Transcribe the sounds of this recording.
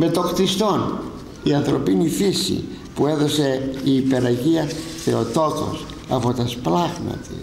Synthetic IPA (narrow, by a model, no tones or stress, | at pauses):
met̪okt̪ist̪on | iɐnθɾopinifisḭ | pueðoseiːpeɾɐʝiɐsθeot̪ot̪o̰s | ɐ̰pot̪ɐsplaɣmɐ̰t̪ḭs